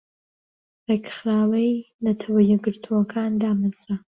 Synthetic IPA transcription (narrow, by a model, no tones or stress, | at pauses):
reːkχɾaːwɐjnɐt̪ʰɐwɐjɛɡɨɾt̪ʰuwɐkʰaːnd̪aːmazɾɐ